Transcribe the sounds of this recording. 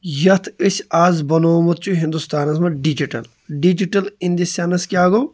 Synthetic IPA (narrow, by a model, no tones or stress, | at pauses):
jɐt̪ʰisaːzbɐnoːmɐt̪̚t͡ʃʰuɦĩnd̪ust̪aːnɐsmɐɖid͡ʒiʈɐ̰l | ɖid͡ʒiʈɐlind̪isanɐskʲaːɡoː